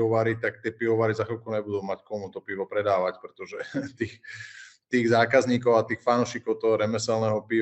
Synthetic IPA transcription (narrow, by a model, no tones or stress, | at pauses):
ɔʋaːɾit̪akt̪ɪɛpiʋɔʋaːɾizaxɔlkuɲɛbud̪uːmackɔmut̪ɔpiʋɔpɾɛd̪aːʋacpɾɛt̪ɔʒɛt̪iːxt̪iːɣzaːkazɲiːkɔʊat̪iːxfanuʃiːkɔʊt̪ɔɦɔɾɛmɛsɛlnɛːɦɔpi